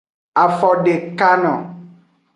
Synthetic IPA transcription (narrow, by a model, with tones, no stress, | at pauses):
a˨fɔ˨ɖe˨ka˦nɔ̰̃˨